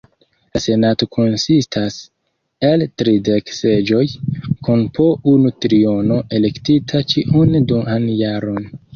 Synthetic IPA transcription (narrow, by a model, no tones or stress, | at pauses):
lase̞nato̞kʰo̞nsistʰas | e̞ltɾide̞kse̞d͡ʒo̞jkunpo̞unutɾio̞no̞ʔe̞le̞ktitʰat͡ʃiʔundumanjaɾo̞n